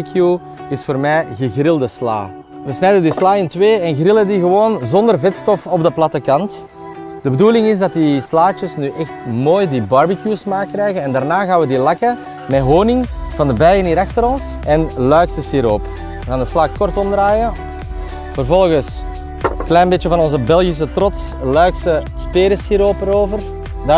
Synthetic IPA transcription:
kʰju | ɪsfoːrmɛːjɣəɣrɪlˠdəsla̰ː | ʋəsnɛjdəndislaːɪntʋeːɛnɣrɪləndiɣəʋoːnzɔndərvɛtstɔfɔbdəplɑtəkɑnt | d̥əbəduːlɪŋɪzdɑtislaːt͡ʃəsnyʔɛxtmoːjdibɑɹbikjusmaːkːrɛːɣənɛndaːrnaːɣaːnʋədilɑkə | mɛɦoːnɪŋv̥ɑndəbɛjəniːɾɑxtəɾɔns | ɛnlœɥkstəshiːɾoːp | əɣaːndəslaːk̚kɔrtɔmdraːjə | v̥ərvɔlˠɣəs | klɛjnbeːtəvɑnɔnzəbɛlˠɣis̬ətrɔtslœɥksə | peːɾəsiːɾoːpəɾoːvər | d

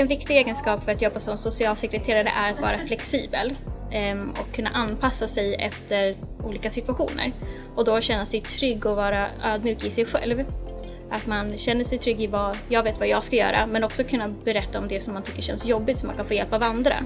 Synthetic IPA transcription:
ɛnvɪkt̪ɪɡeːɡənskɑːpfœɾat̪jɔbːasɔmsʊsɪɑːlsɛkɾɛt̪ʰeːɾaɾə̰ʔæɾat̪vɑ̰ːɾaflɛksiːbə̰l | ɔ̰kʰːɵnːa̰ʔanːpʰasːasɛjɛ̰ft̪ʰəɾ | uːliːkasɪt̪ʉaɧuːnə̰ɾ | ɔd̪ɔɕɛnːasɛjt̪ʰɾʏɡːɔvɑːɾaøːd̪̚mjy̟ːkɪsɛjɧɛ̰lv | ʔat̪manɕɛnːəʂɛjt̪ʰɾʏɡːɪvajɑːɡveːt̪vajɑːɡskajœ̰ːɾa̰mɛnɔksɔkʰɵnːabɛɾɛt̪ːaɔmd̪ɛsɔmːant̪ʰʏkːəʂɕɛ̰nsjɔbːɪt̪sɔmːankanfoːjɛlpavand̪ɾa̰

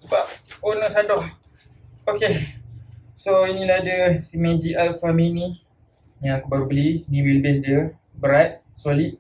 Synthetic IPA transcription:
səbap̚onə̃ʔsadɔh | oke | soinĩlahadəsimẽd͡ʒiʔalfamĩni | jãkəbaɾbəlinĩwiləbɪs̬diə | bəɾat̪̚ | soliʔ̚

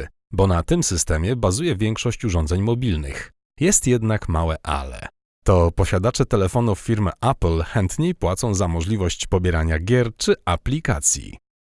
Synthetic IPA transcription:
bɔnat̪ɘmsɘst̪ɛmʲjɛbazujɛvʲjɛŋkʂɔɕt͡ɕuʐɔnd̪zɛɲmɔbʲilnɘ̰x | jɛst̪jɛd̪nakmawɛʔa̰lɛ̰ | t̪ɔpɔɕad̪at͡ʂɛt̪ɛlɛfɔnufːʲiɾmɘʔaplxɛnt̪ɲejpwat̪sɔ̃w̃zamɔʐlʲivɔɕt͡ɕpɔbʲjɛɾaɲaɡʲjɛɾt͡ʂɘʔaplʲikat̪sʲjḭ

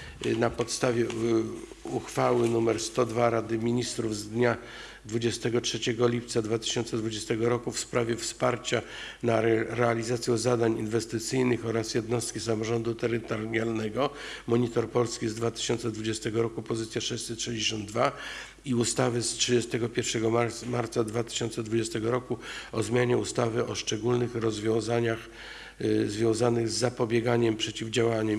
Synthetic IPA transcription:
napɔt̪st̪avʲjɛ | uxfawɘnumɛɾst̪ɔd̪vaɾad̪ɘmʲiɲist̪ɾuvzd̪ɲa | d̪vud͡ʑɛst̪ɛɡɔtʂɛt͡ɕɛɡɔlʲip̚t̪sad̪vat̪ɘ̥ɕɔ̃nt̪sɛd̪vud͡ʑɛst̪ɛɡɔɾɔkufspɾavʲjɛfspaɾt͡ɕa | naɾɛalʲizat̪sʲjɔzad̪aɲinvɛst̪ɘt̪sɘjnɘxɔɾasjɛd̪nɔst̪̚kʲisamɔʐɔnd̪ut̪ɛɾɘt̪ɔɾjalnɛɡɔmɔɲit̪ɔɾpɔlskʲizd̪vat̪ɘ̥ɕɔnt̪sɛd̪vud͡ʑɛst̪ɛɡɔɾɔkupɔzɘt̪sʲjaʂɛɕsɛtʂɛd͡ʑeɕɔnd̪d̪va | iust̪avɘstʂɘd͡ʑɛst̪ɛɡɔpʲjɛɾfʂɛɡɔmaɾt̪sad̪vat̪ɘ̥ɕɔnt̪sɛd̪vud͡ʑɛst̪ɛɡɔɾɔkuɔzmʲjaɲɛust̪avɘʔɔʂt͡ʂɛɡulnɘxɾɔzvʲjɔ̃w̃zaɲax | zvʲjɔ̃w̃zanɘɣzːapɔbʲjɛɡaɲɛmpʂɛt͡ɕivd͡ʑawaɲɛm

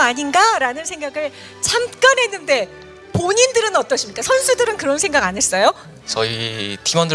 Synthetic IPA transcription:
aɲinɡaɾanɯnsʰe̞ŋɡaɡɯɭ | t͡ɕʰamk͈anɦe̞nːɯnde̞ | poɲindɯɾɯnʌt͈ʌɕ͈ʰimɲik͈asʰʌnsʰudɯɾɯnkɯɾʌnsʰe̞ŋɡaɡanɦes͈ʌjo | t͡ɕʌitimʌndɯ

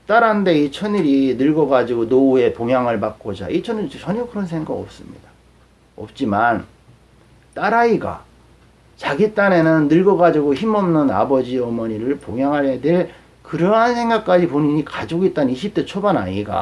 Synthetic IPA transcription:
t͈aɾannde̞it͡ɕʰʌɲiɾinɯɭɡʌɡad͡ʑiɡonoue̞poŋɦjaŋɯɭpak̚k͈od͡ʑa̰it͡ɕʰʌɲiɾit͡ɕʰʌɲiokɯɾʌns̬ʰe̞ŋɡaɡʌp̚s͈ɯmɲḭd̥a | ʌ̰p̚t͡ɕ͈iman | t͈aɾaiɡa̰ | t͡ɕaɡit͈ane̞nɯnːɯɭɡʌɡad͡ʑiɡoçimʌmnɯna̰bʌd͡ʑiʌmʌɲiɾɯɭpoŋjaŋɦaɭedeɭ | kɯɾʌɦansʰeŋɡak̚k͈ad͡ʑipoɲiɲikad͡ʑiɡoit͈̚anɯniɕʰip̚t͈e̞t͡ɕʰobanaiɡa̰

